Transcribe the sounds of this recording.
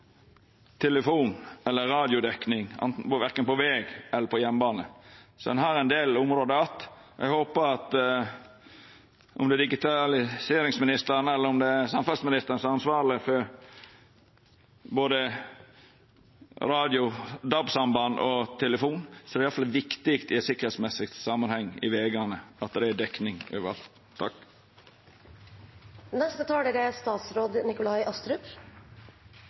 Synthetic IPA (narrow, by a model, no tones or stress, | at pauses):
t̪ʰɛləfuːnɛlːəɾɑːd̪ɪʊd̪ɛknɪŋɑ̰nt̪n̩ʋæɾkənpɔʋɛːɡɛlːəɾpʰɔjɛnːbɑːnəsɔd̪ɛ̰nɦɑɾɛɪnd̪eːlʊmɾoːd̪əɑt̪ːʔɛ̰ɡhoːpəɾɑt̪ | ʔɔ̰md̪ɛæd̪ɪɡɪt̪ʰɑlɪseːɾɪŋsmɪnɪst̪əɾnəɛlːəɾɔmd̪ɛsɑmfɑlsmɪnɪst̪əɾnəsɾɑnsʋɑːɾlɪfɔɾ | boːd̪ə | ɾɑːd̪ɪʊd̪ɑbsɑmbɑnʔɔt̪ʰɛləfuːnsɔɛɾɪɑlfɑlːʋɪkt̪ɪkt̪ɪt̪sɪkəɾhet̪smɛsɪkt̪sɑːmɑnhɛŋːɪ̰ʋeːɡənəɑt̪̚d̪ɛd̪ɛknɪŋøːʋəɾɑ̰lt̪ʰːɑk | nɛst̪ət̪ʰɑːɽəɾəst̪ɑːt̪sɾoːd̪nɪkʊlɑɪʔœst̪ɾʉp